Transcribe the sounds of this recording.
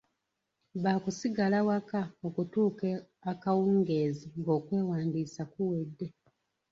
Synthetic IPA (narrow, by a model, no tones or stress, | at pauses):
βaːkusiɡalawakao̞kutuːke | akawuːŋɡe̞ːziŋɡo̞ːkwe̞ːwaːndiːsakuwedːe̞